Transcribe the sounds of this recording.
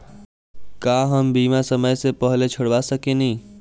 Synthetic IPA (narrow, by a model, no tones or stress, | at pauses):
kaɦəmbiːmasəməjsepəɦlet͡ʃʰəɽʋasəkenĩ